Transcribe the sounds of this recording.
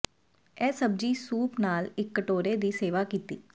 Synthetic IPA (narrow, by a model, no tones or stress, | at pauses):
ɛːsəb̚d͡ʒiːsuːpnaːlɪkːəʈoːɾeːd̪iːseːʋaːkiːt̪iː